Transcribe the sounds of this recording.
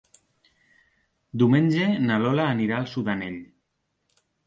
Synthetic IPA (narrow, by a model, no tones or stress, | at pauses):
d̪iumenʲd͡ʒenalɔlaːniɾaːlˠsuðaneʎ